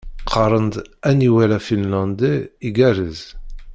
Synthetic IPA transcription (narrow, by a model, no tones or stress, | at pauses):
qʰɑɾˤənd̪æniwælæfinlɑ̃nd̪iiɡæɾəz